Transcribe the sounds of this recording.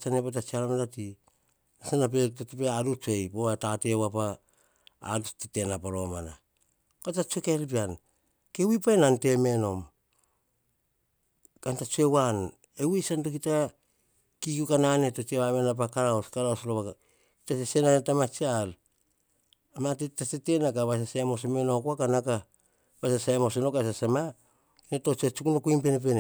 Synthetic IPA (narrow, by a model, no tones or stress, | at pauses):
t͡ʃanepat̬at͡ʃialamalati | asenap̬ettipeaɾut͡ʃue̞jpoatate̞wapa̰ː | dustite̞napaɾo̞mana | kotat͡ʃuekeɾipian | kewipaenante̞me̞no̞m | kantat͡ʃuewan | ewisantok̬ita | kikukananetot͡ʃaβamenap̬akaɾaoskaɾaosloβaka | kitasesenanetamat͡ʃial | amatetasete̞nakaβas̬asamos̬ome̞no̞koakanaka | basasajmos̬enokaes̬asama | inetot͡ʃat͡ʃukunokuimpe̞nep̬ene